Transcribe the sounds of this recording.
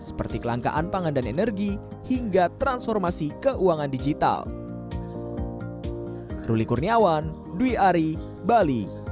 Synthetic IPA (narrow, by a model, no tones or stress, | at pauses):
sə̥pərt̪ikəlaŋka̰ʔanpaŋandanenərɡi | hiŋɡat̪ɾansfɔrmasikəʔuaŋandid͡ʒit̪a̰l | rulikurniawan | duiaɾi | bali